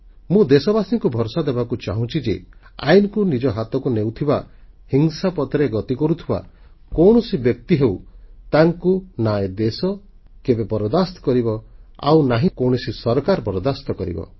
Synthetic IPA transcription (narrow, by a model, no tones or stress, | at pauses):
mũd̪esɔbasiŋkubʱɔɾsad̪ebakut͡ʃaɦũt͡ʃʰid͡ʒe | a̰jnɔkunid͡ʒɔɦat̪ɔkunewt̪ʰibahiŋsapɔt̪ɾeɡɔt̪ikɔɾut̪ʰiba̰ | kɔwɳ̃ɔsibjɔk̚t̪iɦewt̪aŋkunaed̪esɔ | kebebɔɾɔd̪ast̪ɔ̥kɔɾibɔa̰wnaɦĩkowɽ̃ɔsisɔɾɔkaɾpɔɾɔd̪ast̪ɔkɔɾḭbɔ̰